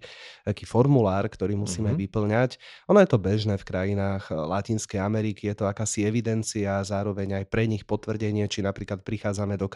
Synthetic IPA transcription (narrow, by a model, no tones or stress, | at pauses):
akiːfɔɾmulaːɾkt̪ɔɾiːmusiːmɛajʋipl̩ɲacʔɔnɔjɛt̪ɔbɛʒnɛːfkɾajinaːɣlacinskɛjamɛɾikijɛt̪ɔakaːsiɛʋid̪ɛnt͡siazaːɾɔʋɛɲajpɾɛɲixpɔt̪ʋr̩ɟɛɲɪɛt͡ʃinapɾiːklat̪̚pɾixaːd͡zamɛd̪ɔk